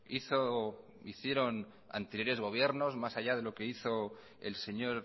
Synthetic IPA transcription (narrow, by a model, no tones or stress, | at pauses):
iθo | iθje̞ɾo̞n | a̰nt̪eɾjo̞ɾe̞zɣ̞o̞β̞je̞ɾno̞zmasaʎað̞e̞lo̞ke̞iθo | ḛlse̞ɲo̞ɾ